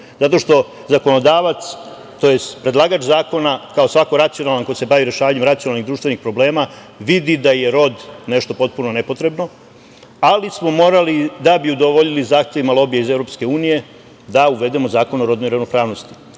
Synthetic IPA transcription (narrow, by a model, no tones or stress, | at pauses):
zat̪o̞ʃt̪o̞ | zako̞no̞d̪aːʋat̪s | t̪o̞je̞st̪pɾe̞d̪lˠaːɡat͡ʃzaːko̞nakao̞sʋakoɾat̪sijo̞nalˠanko̞jise̞baʋiɾe̞ʃaːʋaɲemɾat̪sionalniɣd̪ɾuːʃt̪ʋe̞nixpɾo̞ble̞ːma | ʋid̪id̪aje̞ɾo̞d̪ne̞ʃt̪o̞po̞t̪̚puno̞ne̞po̞t̪ɾe̞bno̞ | alismo̞mo̞ːɾalid̪abiud̪o̞ʋoʎilizaːxt̪e̞ʋimalˠo̞bijeizevɾo̞pske̞uːnije̞ | d̪auʋe̞d̪e̞mo̞zaːko̞noɾo̞d̪no̞jiɾaʋnopɾaːʋno̞st̪i̥